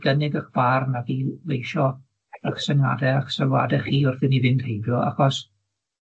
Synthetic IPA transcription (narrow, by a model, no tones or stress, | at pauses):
ɡənɪɡaχb̥arnaɡilˠejʃɔ | əχsɛŋa̰dɛaχsɛwa̰dɛχiːʊrθɪniðɪnd̥hejbjɔa̰χɔs